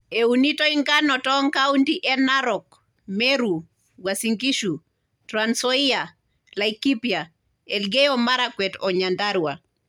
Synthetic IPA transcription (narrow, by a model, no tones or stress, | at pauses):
eunitɔiŋɡanɔtɔŋkaundiʔɛnaɾɔk | mɛɾu | wasiŋɡiʃu | tɾansɔia | laikipja | ɛlɡɛjɔmaɾakwɛtɔɲandaɾwa